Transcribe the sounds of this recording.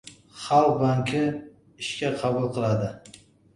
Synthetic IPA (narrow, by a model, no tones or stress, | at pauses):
χɑlq̚baŋkʲʰɪ | ɪʃkʲaqʰɑbʊlˠqʰɨlˠad̪ɪ